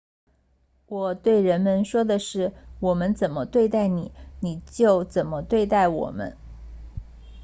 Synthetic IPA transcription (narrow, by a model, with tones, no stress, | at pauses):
wɔ˨˩t̪we˥˩ɪɻə˧˥nmə˧nʂwɔ˥d̪ə˨ʂɻ̩˥˩wɔ˨˩mə˦nt͡sə˨˩nmə˦t̪we˥˧ɪt̪a˥˩ɪni˨˩˦ni˨˩t͡ɕjo˥˩ʊt͡sə˨˩nmə˦t̪we˥˧ɪt̪a˥˩ɪwɔ̰˨˩mə̰˦n